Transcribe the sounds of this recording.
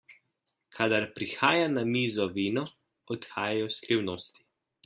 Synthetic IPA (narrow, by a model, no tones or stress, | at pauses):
kʰad̪aɾpɾixaːjanamiːzɔʋiːnɔ | ɔt̪xaːjajɔskɾiwnoːst̪i̥